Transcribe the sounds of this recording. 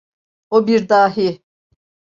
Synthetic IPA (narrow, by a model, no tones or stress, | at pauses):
obiɾd̪aːɦi